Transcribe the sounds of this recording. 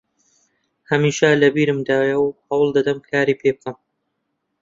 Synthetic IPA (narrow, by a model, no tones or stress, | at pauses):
hɐmiːʃɐlɐbiːɾɨmd̪aːjɐwhɐwlˠd̪ɐd̪ɐmkʰaːɾiːpʰeːb̚kɐm